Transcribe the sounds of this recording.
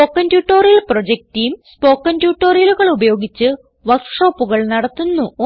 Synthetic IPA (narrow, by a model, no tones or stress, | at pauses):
oːkːɐntjuːʈːoːrijɐlprod͡ʑek̚ʈijumspo̞ːkːɐntjuːʈːo̞ːrjɐluɣɐɭubɐjo̞ːɡit͡ɕːɨ | ʋɐrkʂo̞ːpːuɣɐɭnɐɽɐt̪ːunːuo